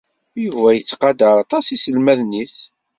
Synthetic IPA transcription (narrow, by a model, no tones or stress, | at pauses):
juvæjət͡sːqɑd̪aɾɑt̪ˤɑsisəlmæðnis